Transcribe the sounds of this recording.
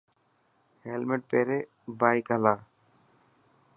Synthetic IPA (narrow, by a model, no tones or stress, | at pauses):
helmeʈ̚peɾe | bajkalaː